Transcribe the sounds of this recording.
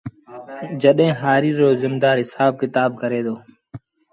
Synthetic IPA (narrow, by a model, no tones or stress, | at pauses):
d͡ʒəɗɦẽːɦaːɾiːɾoːzɪmd̪aːɾɦɪsaːb̚kɪt̪aːb̚kəɾeːd̪oː